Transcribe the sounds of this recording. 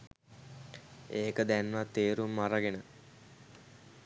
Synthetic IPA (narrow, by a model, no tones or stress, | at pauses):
eːkəd̪ænʋat̪eːɾumːaɾaɡenə